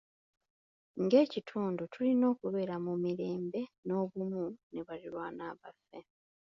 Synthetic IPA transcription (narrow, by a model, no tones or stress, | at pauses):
ŋɡe̞ːcitʰuːndutʰulino̞ːkuβe̞ːɾamumiɾe̞ːmbe̞no̞ːβumune̞βalilwaːnaːβafːe̞